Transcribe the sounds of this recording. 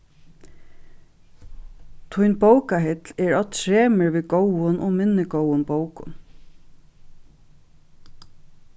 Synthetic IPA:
t̪ʰʊjnbowkaɦɪt̪lɛɹɔt̪ɹeːmɪɹʋiːɡowʊnʔɔmɪnːɪɡowʊnbowkʊ̰n

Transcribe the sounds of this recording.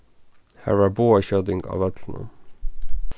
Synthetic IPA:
hæ̰ːɹæːɹboːəçœd̪ɪŋɡɑ̰ːʋɛd̪ln̩ə̰

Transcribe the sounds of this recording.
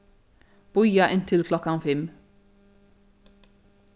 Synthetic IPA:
b̥ʊjɑʔɪnt̪ʰɪlkʰlɔkːɑnfɛm

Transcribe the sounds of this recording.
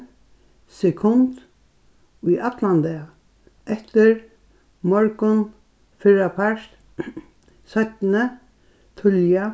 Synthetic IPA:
sɛkʰʊnt̪ | ujʔat̪lant̪ɪ | ɛht̪ɪɹ | mɔɹkʊn | fɪɾapʰaʂt̪ | sœt̪nə | t̪ʰʊlja

